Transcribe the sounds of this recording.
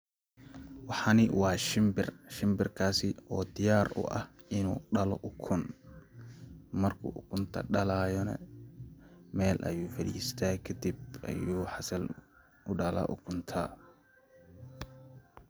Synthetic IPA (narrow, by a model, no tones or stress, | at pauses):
wɑħɑːnɪwɑːʃɪmbɪrʃɪmbɪrkʰaːsɪɔːd̪ɪjaːrʊ̰ʔɐ̰h | ɪnuːɖɐlɔʔʊkʰʊn | mɐrkʰʊ̰ʔʊkʰʊnt̪ʰɐ̰ɖɐlaːjɔnɐ̰ | mɛːlʔɐ̰juːfɐɽḭːst̪ʰaːkʰɐd̪ibɐ̰juːħɑsɐl | ʔʊɖɐlɐ̰ːʔʊ̰kʰʊnt̪ʰɐː